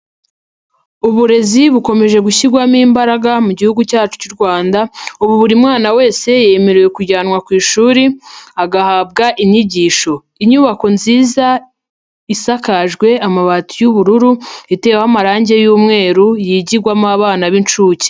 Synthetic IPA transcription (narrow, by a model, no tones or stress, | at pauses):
uβuɾe̞ziβuko̞me̞ʒe̞ɡuçiɾɡwamiːmbaɾaɡamuɟihuɡucaːt͡ʃu̥cuɾɡwaːndauβuβuɾimŋaːnawe̞ːse̞jemeɾeje̞kuɟaːnŋwakwiːʃuːɾiaɡahaːb̚ɡaʔiɲiɟiːʃo̞ | iɲuːβako̞nziːza | isakaʒɡwe̞amaβatujuβuɾuɾuite̞whamaɾaːɲɟe̞juːmŋe̞ːɾujiɟiɡwamaβaːnaβint͡ʃuːce̥